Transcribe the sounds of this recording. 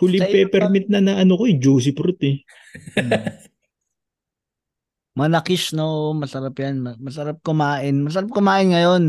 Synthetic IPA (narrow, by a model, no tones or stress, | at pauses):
kʊlɪpɛpɛɾmɪt̪̚nɐnɐɐnokoɛd͡ʒoːs̬ɪpɾot̪ɛ | mɐlɐkɪʃnoʔomɐsɐɾapjanmɐmɐsɐɾap̚kʊmaːʔɪnmɐs̬ɐɾap̚kʊmaːʔɪnŋɐjon